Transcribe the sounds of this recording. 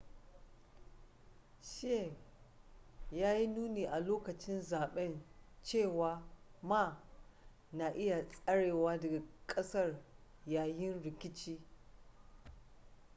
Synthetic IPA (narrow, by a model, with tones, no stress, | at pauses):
ʃe˦˨ | jaː˦ji˦nuː˦neː˨ʔa˨loː˦kɐ˨t͡ʃɪ˦nzaː˨ɓɛ˦nt͡ʃeː˦˨waː˨maː˦˨ | na˨ʔɪ˦ja˨sʼɐ˦ɽeː˨waː˦dɐ˨ɡa˨kʼɐ˦sɐ˦˨rjaː˨jɪ˦nɽɪ˨kʲɪ˦t͡ʃiː˦